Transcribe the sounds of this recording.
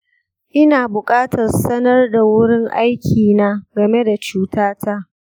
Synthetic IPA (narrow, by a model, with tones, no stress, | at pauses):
ʔɪ˦naː˨bʊ˨kʼaː˦tʰɐ˨rsɐ˦nɐ˦rda˨wʊ˦ɽɪ˦ŋʔa˦jkʲʰiː˨naː˦ɡɐ˨me˦da˨t͡ʃuː˦taː˦ta˦ʔ